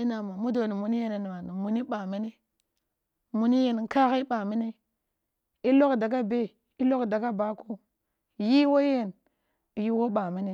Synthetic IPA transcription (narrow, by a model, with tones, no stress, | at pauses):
i˦na˨ma˨mu˦do˨ni˨mu˨ni˦je˦ne˨n˨ma˨ni˨mu˨ni˦ɓa˨mi˦ni˦ | mu˨ni˦je˦˨n˨˦ka˦xi˦ɓa˨mi˦ne˦ | i˦lo˦kda˨ɡa˦be˦ | i˦lo˦kda˨ɡa˦ba˨ko˦˨ | ji˦wo˦je˦˨n˨ | ji˦wo˦ɓa˨mi˦ne˦